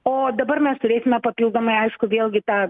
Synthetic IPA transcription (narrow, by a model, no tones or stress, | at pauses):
oːd̪ɐbɐrmʲɛst̪ʊɾʲeːsʲɪmʲɛpɐpʲilˠɡd̪omɐɪɐɪʃkʊʋʲeːlˠʲɡʲɪt̪ɑː